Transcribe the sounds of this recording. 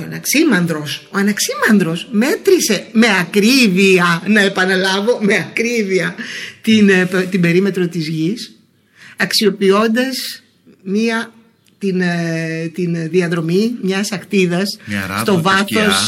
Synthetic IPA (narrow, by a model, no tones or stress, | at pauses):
oɐnɐksimɐnd̪ɾo̞so̞ɐnɐksimɐnd̪ɾo̞sme̞t̪ɾise̞me̞ɐkɾiviɐnɐe̞pɐnɐlɐvo̞me̞ɐkɾiviɐt̪inpt̪imbe̞ɾime̞t̪ɾo̞t̪izʝis | ɐksio̞pio̞nd̪ɐs | miɐ | t̪int̪inðiɐðɾo̞mimɲɐsɐxt̪iðɐsst̪o̞vɐθo̞s